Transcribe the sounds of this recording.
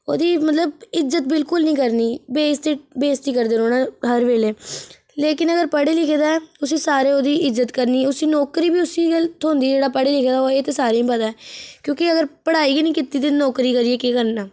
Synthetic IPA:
o̰ːd̪iːmət̪ləb̚ɪzːət̪̚bɪlkʊlnĩːkəɾniːbeːst̪ɪʈbeːst̪iːkəɾd̪eːɾoːnaːɦəɾʋeːleː | leːkɪnəɡəɾpəɽeːlɪkʰed̪aːʊsiːsaːɾeːoːd̪iːɪzːət̪kəɾniːʊsiːnɔːkɾiːbiːʊsiːɡəlt̪ʰoːnd̪iːd͡ʒeːɽaːpəɽeːlɪkʰːd̪aːeːt̪esaːɾeĩpəd̪aːɛːkjõːkɪəɡəɾpəɽaːiːɡiːnĩːkɪt̪ːiːt̪enɔːkɾiːkəɾieːkekəɾnaː

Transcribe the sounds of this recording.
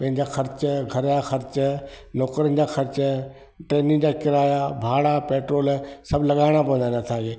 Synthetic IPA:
pɐ̃ɦɪ̃ɲd͡ʑaxɐɾt͡ɕəɡʱɐɾjaːxɐɾt͡ʃ | noːkɾən̆d͡ʑaːxɐɾt͡ɕə | ʈɾeːnɪ̃ŋd͡ʑaːkɪɾaːjabʱaːɽapeːʈɾoːlsɐbʱlɐɠaːɽ̃apɐ̃ənd̪anat̪ʰaːeː

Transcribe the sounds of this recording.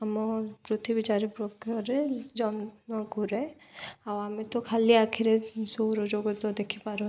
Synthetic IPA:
amɔpɾut̪ʰibit͡ʃaɾipɾokɔɾed͡ʒɔnɔɡʱuɾɛ | awamet̪ɔkʰaliakʰiɾesoɾɔd͡ʒoɡɔt̪ɔd̪ekʰipaɾɔ

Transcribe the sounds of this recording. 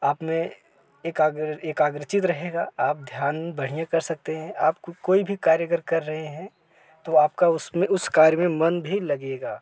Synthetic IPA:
aːpmẽ | eːkaːɡeːkaːɡɾət͡ʃɪt̪ɾɐɦeːɡaːaːp̚d̪ʱjaːnbɐɽ̤ijakɐɾsɐk̚t̪eɦɛ̃ʔaːpkkoːibʱikaːɾjəkəɾkɐɾːɐɦeɦɛ̃ | t̪oaːp̚kaʊsmẽʊskaːɾjmẽmɐnbʱilɐɡeːɡaː

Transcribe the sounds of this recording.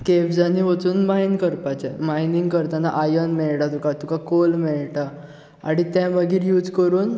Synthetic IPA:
kebd͡zaniʋot͡suːnmajnkəɾpat͡ɕɛmajniŋɡkəɾt̪anaʔajənmɛɭɽat̪ũkat̪ukakolmɛɭʈa | a̰ɽ̃it̪jãbəɡiːɾjuːd͡zkəɾuːn

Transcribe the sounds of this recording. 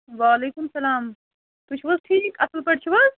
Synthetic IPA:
ʋaːleːkumsɐlaːm | t̪ut͡ʃʰibɐzʈʰiːkɐsəlpɐɽt͡ʃʰibɐz

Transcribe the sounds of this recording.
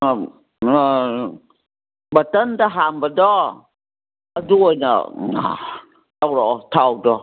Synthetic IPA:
bat̪ənd̪aɦambadɔ | aduəjna̰a̰ | tawɾɔt̪ʰawdɔ

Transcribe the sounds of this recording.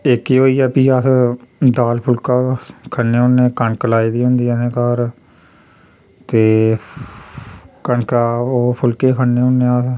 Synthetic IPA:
ekeːoːiːɛːpiːasd̪aːlpʰʊlkaːkʰənːeːɦʊnːẽːkəɳkəlaːiːd̪iːɦʊ̃nd̪iːənẽːkaːɾ | t̪eː | kəɳkaːoːpʰʊlkeːkʰənːeːɦʊnːẽːas

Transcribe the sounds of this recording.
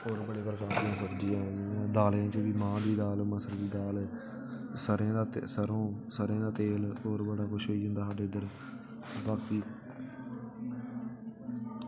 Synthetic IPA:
oːɾbəɽeːpɾəkaːt̪ijãːsəɾd͡ʒɪjãːɦoːd͡ʒãnãːd̪aːlãːt͡ʃəʋiːmãːd̪iːd̪aːlməsəld̪iːd̪aːl | səɾãːd̪aːsəɾõːsəɾẽːd̪aːt̪eːloːɾbəɽaːkʊʃɦoːiːɦʊ̃nd̪aːsaːɖeːɪd̪əɾ | baːkiː

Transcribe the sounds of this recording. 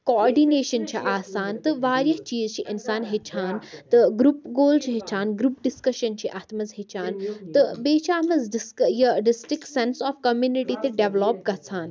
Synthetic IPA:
koːɾɖineːʃɐnt͡ʃʰiʔaːsaːnt̪ɨʋaːɾjɐɦt͡ʃiːzt͡ʃʰiʔɪnsaːnɦet͡ʃʰaːnt̪ɨɡɾupɡoːlt͡ʃʰiɦet͡ʃʰaːnɡɾuːpɖiskɐʃɐnt͡ʃʰiʔɐt̪ʰmɐzɦet͡ʃʰaːnt̪ɨbeːt͡ʃʰaːmɐzɖɪskjɐɖɪsʈɾikʈsensɔːfkɐmjuːniʈit̪eɖeʋloːp̚ɡɐt͡sʰaːn

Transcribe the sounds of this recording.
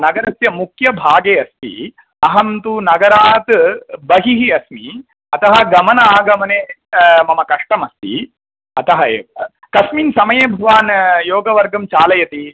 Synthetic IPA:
nɐɡɐɾɐsjɐmukjɐbʱaːɡeːɐst̪ḭ | ɐɦɐmt̪unɐɡɐɾaːt̪bɐɦiɦiɐsmi | ɐt̪ɐɦɐ̆ɡɐmɐnɐaːɡɐmɐneːmɐmɐkɐʂʈɐmɐst̪ḭ | ɐt̪ɐɦɐḛːʋɐ | kɐsmiːnsɐmɐjeːbʱɐʋaːnjoːɡɐʋɐɾɡɐmt͡ʃaːlɐjɐt̪i

